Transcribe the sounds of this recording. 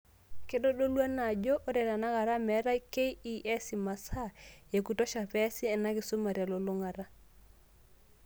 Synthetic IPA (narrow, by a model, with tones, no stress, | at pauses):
ke˦ɗo˦ɗo˦lwa˦na˨d͡ʒo˦ʔo˦ɾɛ˨ɾa˨na˦ka˨ɾa˦mɛ˨˦ɾa˦ke˦ii˦ʔɛ˦si˨ma˨sa˦˨e˨ku˨to˦ʃa˨pɛ˦si˦ɛ˨na˦kɪ˨su˦ma˨ɾja˨lo˨lo˦ŋa˨ɾa˦